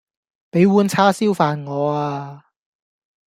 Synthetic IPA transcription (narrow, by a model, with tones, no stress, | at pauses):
pe˨˥jwuː˨˧nt͡sʰaː˥siː˥wfaː˧nŋɔː˨˧aː˧